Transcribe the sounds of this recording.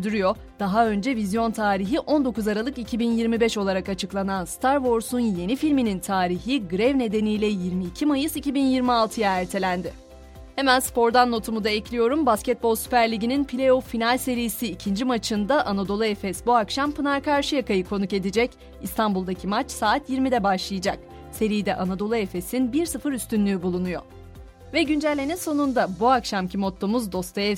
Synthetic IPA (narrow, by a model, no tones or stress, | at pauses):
d̪yɾyjo̞ | d̪̥aɦaø̞nd͡ʒɛvizjo̞nt̪ʰaːɾiɦiʔo̞nd̪o̞kuzaɾalˠɯkicʰibinjiɾmibɛʃo̞lˠaɾakat͡ʃʰɯklˠananst̪ʰaɾvo̞ɾsunje̞nifilʲminint̪ʰaːɾiçiɡɯɾɛvne̞d̪e̞nijlʲɛjiɾmiːcʰimajɯzicʰibinjiɾmialˠt̪ʰɯjaæɾt̪ʰe̞lʲænd̪ɪ | hemænspo̞ɾd̪anːo̞t̪ʰumud̪aɛclʲijo̞ɾumbascɛt̪̚bolˠsy̥pæɾlʲiɟininpʰilʲeofinalʲse̞ɾijisiːcʰind͡ʒimat͡ʃʰɯnd̪aʔanad̪o̞lˠuefɛsbuakʃampɯnaɾkaɾʃɯjakʰajɯkʰo̞nuke̞d̪id͡ʒɛc | ist̪ʰambulˠd̪acʰimat͡ʃsaːt̪ʰjiɾmid̪ɛbaʃlˠɯjɯd͡ʒak̚ | se̞ɾijd̪ɛʔanad̪o̞lˠuefesinbiɾsɯfɯɾyst̪ʰynlʲyːbulˠunujo̞̰ | vɛɟynd͡ʒælʲːeninso̞nund̪abuakʃamcʰimo̞t̪ʰːomuzd̪o̞st̪ʰaɛ